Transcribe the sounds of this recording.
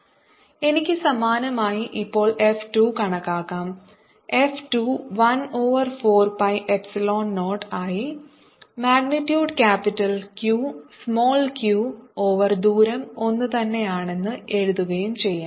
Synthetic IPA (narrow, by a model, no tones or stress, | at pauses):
e̞nikʲːɨsɐmaːnɐmaːjiʔipːo̞ːɭʔe̞fʈukɐɳɐkːaːkːaːm | e̞fʈuːʋɐno̞ːʋɐrfoːrpɐjʔepsilo̞ːnno̞ːʈːaːji | maːɡnitːjuːɖkaːpitːɐlkjuːsmo̞ːlkjuːoːʋɐrd̪uːɾɐmo̞nːɨt̪ɐnːe̞jaːɳe̞nːɨe̞ɻuðuɣɐjumt͡ɕe̞jːaːm